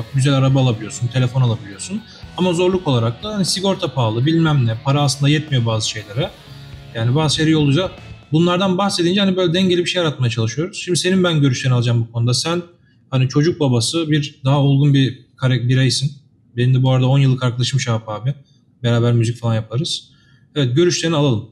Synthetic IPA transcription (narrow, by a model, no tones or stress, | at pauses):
akɟyzælʲaɾabaːlˠabilʲijo̞sunt̪ʰee̞fo̞nalˠabilʲijo̞sun | amazo̞ɾlˠuko̞lˠaɾak̚t̪ʰahanisiɡo̞ɾt̪ʰapʰaːlˠɯbilʲmæmnʲɛpʰaɾaːsˠɯnd̪ajɛt̪̚mijo̞baːzɯʃe̞jlʲeɾɛ | jaːnibaːzɯʃeɾijolˠujza | bunlˠaɾd̪anbaxse̞d̪ind͡ʒɛhanibøjlʲɛd̪ɛɲɟelʲibiʃe̞jaɾat̪̚majat͡ʃʰalˠɯʃyjo̞ɾuz̥ʃimd̪ise̞ninbænɟø̞ɾyʃt̪ʰeialˠɯd͡ʒambukʰo̞nud̪asæn | hanit͡ʃʰo̞d͡ʒuk̚babasɯbiɾd̪aɦaulˠɡunbikʰaɾɛbiɾajsin | benind̪ɛbuaɾad̪ao̞njɯlˠːɯkaɾkʰlˠaʃmɯʃaːpaːbɪ | beɾaːbæɾmyzicfalˠanjapʰaɾɯz̥ | ɛvɛt̪̚ɟø̞ɾyʃlʲeɾinialˠalˠɯm